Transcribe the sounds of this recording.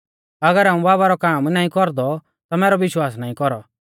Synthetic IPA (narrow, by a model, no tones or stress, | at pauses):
ɐɡəɾaːũbaːbaɾɔkaːmnaːĩkɔɾd̪ɔ | t̪amɛːɾɔʋɪʃwaːsnaːĩkɔɾɔ